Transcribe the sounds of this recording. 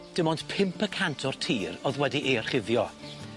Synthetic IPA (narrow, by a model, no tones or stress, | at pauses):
d̥əmɔnd̥pʰɪmpʰəkʰantʰɔr̥tʰiːɾɔðwɛdiʔer̥χɪvjɔ